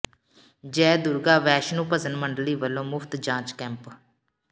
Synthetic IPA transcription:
d͡ʒɛːd̪ʊɾɡaːʋɛːʃnũːpəsənməɳɖliːʋəlːõːmʊpʰt̪d͡ʒãːt͡ʃkɛ̃ːmp

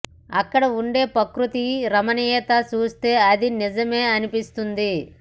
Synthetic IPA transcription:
ɐkːɐɽɐuɳɖe̞ːpɐkɾut̪iɾɐmɐnijɛːt̪at͡ʃuːst̪e̞ːɐd̪inid͡ʒɐme̞ːɐnipist̪und̪i

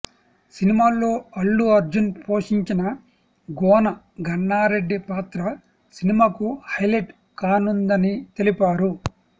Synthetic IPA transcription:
sinimaːlːo̞ːɐɭːuɐɾd͡ʒunpo̞ːʂiɲt͡ʃinɐ | ɡɔːnɐ | ɡʱɐɳːaːɾe̞ɖːipaːt̪ɾɐ | sinimaːkuhɐjleʈ | kaːnund̪ɐnit̪e̞lipaːɾu

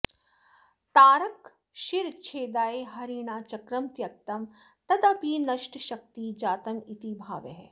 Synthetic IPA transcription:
t̪aːɾɐk | ʃiɾt͡ʃʰeːd̪aːeɦɐɾiːɳaːt͡ʃɐkɾɐmt̪jɐk̚t̪ɐmt̪ɐd̪ɐpiːnɐʃʈʃɐk̚t̪iːd͡ʒaːt̪ɐmit̪ibʱa̰ːʋḛɦ

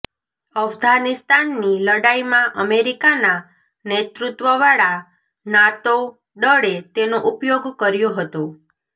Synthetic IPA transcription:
əfɡʱanist̪anːiləɽaimãʔəmeɾikana | net̪ɾut̪ʋəʋaɭa | nat̪o | d̪əɽet̪enoʔupjoɡkəɾjoɦət̪õ

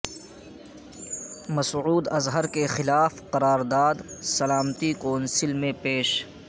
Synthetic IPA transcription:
mɐsʕuːd̪ɐzɦəɾkexɪlaːfqɐɾaːɾd̪aːd̪sɐlaːmt̪ikoːnsɪlmẽpeːʃ

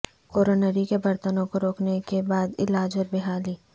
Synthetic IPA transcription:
koːɾoːnəɾikebɐɾt̪ənõkoɾoːknekebaːd̪ɪ̰laːd͡ʒɔɾbɪɦaːliː

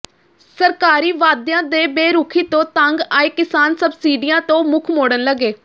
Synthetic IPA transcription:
səɾkaːɾiːʋaːd̪jãːd̪eːbeːɾuːkʰiːt̪õːt̪aŋɡaːeːkɪsaːnsəbsiːɖijãːt̪õːmʊkʰmoːɽənləɡeː

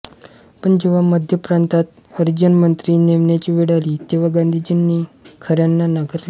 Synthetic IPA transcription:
pəɳd͡ʑeʋaməd̪ʱjəpɾant̪at̪əɾd͡ʑənmənt̪ɾiːneʋɳjat͡ɕiːʋiɽaliːt̪eʋ̤aɡand̪ʱid͡ʑinːikʰəɾjanːanaɡəɾla

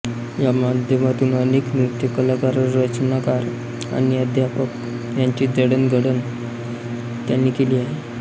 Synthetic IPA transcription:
jamad̪ʱjəmat̪uːnəneknut̪jəkəlakaɾəɾːət͡ɕənakaɾ | a̰ñiəd̪ʱjapək | jaɲt͡ɕiːd͡zəɽənɡʱəɽən | t̪janːikeliːaɦe

